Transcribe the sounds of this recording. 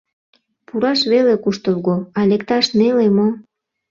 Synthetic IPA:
puɾɑʃβelekuʃt̪əlɣoɑlekt̪ɑʃnelemo

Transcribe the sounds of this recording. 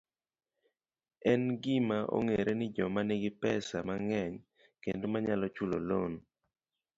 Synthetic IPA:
ɛnɡɪmaʔo̰ŋeɾenɪd͡ʒɔmanɪɡɪpɛsamaŋɛɲ | kendmaɲalɔt͡ʃulo̰lon

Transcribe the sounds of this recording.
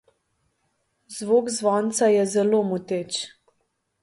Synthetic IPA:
zʋoːkzʋɔːnt̪sajɛzɛlomut̪et͡ʃ

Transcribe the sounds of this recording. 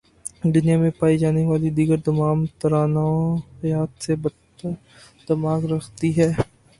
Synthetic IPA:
d̪ʊnijamẽpaːid͡ʒaːneʋaːlid̪iːɡəɾd̪ɐmaːmt̪ɐɾaːnaohɐjaːt̪sebɐ | d̪̥ɐmaːkɾɐxʰt̪iɦɛː

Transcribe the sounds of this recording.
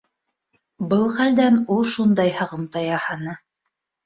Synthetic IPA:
bɤlˠχæld̪ænulˠʃund̪ɑjhɑʁɤmt̪ɑjɑhɑnɤ

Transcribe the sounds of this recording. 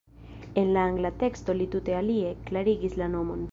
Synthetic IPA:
enlaaŋɡlat̪ekst̪olit̪ut̪ealieklaɾiɡislanomon

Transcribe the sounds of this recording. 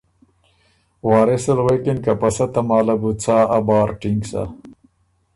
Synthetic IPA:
waːɾeselwekinkɐpɐsɐt̪ɐmaːlɐbut͡sʰaːabɑːɾʈiŋɡsa̰

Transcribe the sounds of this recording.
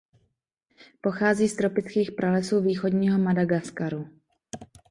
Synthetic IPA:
po̞xaːziːst̪ɾo̞pɪt͡skiːxpɾalɛsuːviːxo̞dɲiːɦo̞madaɡaskaɾu

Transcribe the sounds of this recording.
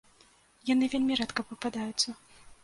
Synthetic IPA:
janɨvʲelʲmʲiɾɛt̪kɐpvɨpad̪ajʊt̪sːɐ

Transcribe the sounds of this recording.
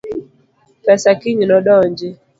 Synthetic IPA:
pɛsakiɲinɔɗɔɲd͡ʒɛ

